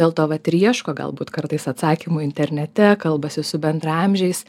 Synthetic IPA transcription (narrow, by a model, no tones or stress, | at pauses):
eːlˠt̪oːʋɐt̪ʲɾʲiɛʃkoːɡɐ̰lˠbuːt̪kɐɾt̪ɐɪsɐt̪sɑːkʲimuːɪnʲt̪ʲɛɾʲnʲɛt̪ʲɛkɐlˠbɐsʲɪsʊbʲɛnd̪ɾɐɑmʲʒʲɛɪs